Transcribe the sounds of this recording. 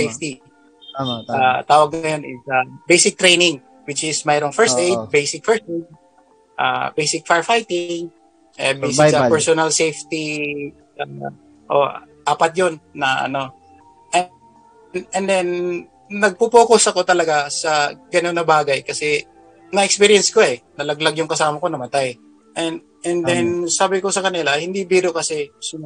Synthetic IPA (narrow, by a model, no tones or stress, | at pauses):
ejft̪i | at̪aːwɐɡ̚nɐjo̞nɪ̰sɐbejsɪk̚t̪ɾejnɪŋ | wɪt͡ʃɪsmɛɾoŋfɛɹst̪ejd͡ʒbejsɪk̚fɛɹst̪ʔejd͡ʒ̚ | ʔa̰bejsɪk̚faɹfajt̪ɪŋ | ʔɛ̰bejsɪsɐpɛɹsonɐlsejft̪i | ʔa | ʔoʔ | ʔaːpɐt̪̚jo̞nːɐʔɐ̰no̞ | ʔɛ | ɛnd̪ɛnː | ɐɡ̚pupoːkosɐko̞t̪ɐlɐɡasɐɡɐnonːɐbaːɡajkɐsɛ | nɐʔɛkspiɾijɛnsko̞ɛnɐlɐɡlaɡjʊŋkɐsaːmɐko̞nɐmɐt̪aj | ʔɛn | ʔɛnd̪ɛnsaːbɪko̞sɐkɐnɪlahɪnd̪ibiːɾokɐsɛsɪ